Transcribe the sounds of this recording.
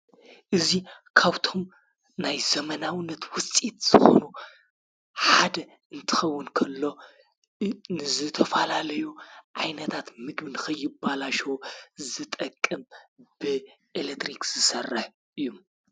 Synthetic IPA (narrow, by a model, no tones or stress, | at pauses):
ʔɨzi | kʰaβt̪ʰo̞m | najzɐmɐnawɨnːɐt̪wʊt͡sʼit̪z̥ɨxo̞̰nu | ħad̪ɐ | ɨnt̪ʰɨ̥xɐwːʊnkʰɐlːo̞ | nɨzɨt̪ʰɐfalalɐjuʕajnɐt̪ʰat̪mɨɡbɨnɨxɐjːɪbːalaʃozɨt̪ʼɐkʼːɨmb̥ɨʔelet̪ɾikz̥ɨsɐrːɨħ | ʔɨjːum